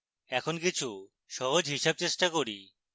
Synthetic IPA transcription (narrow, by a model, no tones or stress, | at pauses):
ɛkʰonkit͡ɕʰu | ʃɔɦod͡ʑɦiʃab̚t͡ɕeʃʈakoɾḭ